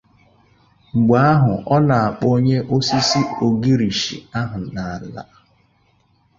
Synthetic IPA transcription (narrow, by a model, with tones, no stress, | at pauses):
ŋ͡m̩˨ɡ͡ba˨˦a˦ɦʊ˨ʔɔ˦na˨a˨k͡po˦ɲe˦ʔo˦si˦si˦o˨ɡi˦ɾi˨ʃḭ˨a˦ɦʊ˨na˨a˨la̰˨˦